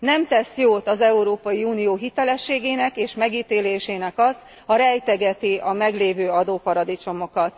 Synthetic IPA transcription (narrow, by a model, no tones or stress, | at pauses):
nɛmt̪ɛsjoːt̪ɒzɛuɾoːpɒjiuːnijoːɦit̪ɛlɛʃːeːɡeːnɛkeːʃmɛɡiːt̪eːleːʃeːnɛkɒz | ɒɾɛjt̪ɛɡɛt̪iʔɒmɛɡleːvøːɒd̪oːpɒɾɒd̪it͡ʃo̞mo̞kɒt̪